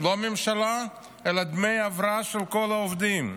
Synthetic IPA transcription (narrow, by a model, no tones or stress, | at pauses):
lomemʃala | elad̪me̞javɾaaʃelkolaovd̪im